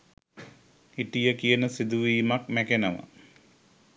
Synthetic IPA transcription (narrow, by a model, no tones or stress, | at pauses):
iʈijəkijənəsid̪uʋiːmak̚mækenəʋə̰